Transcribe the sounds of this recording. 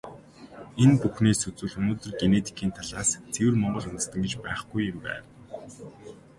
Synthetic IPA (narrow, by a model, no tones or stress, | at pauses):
enpuxneːsɵt͡sŭːɮɵnoːt̪ɵ̆rɡenet̪ʰi̥kʰiːnt̪ʰaɮaːst͡sʰewɘ̆rmɔɴɢɞ̆t͡ɕʊnt̪ə̆st̪ə̆ŋɡet͡ɕpæːχɡujeɾpæ̰ː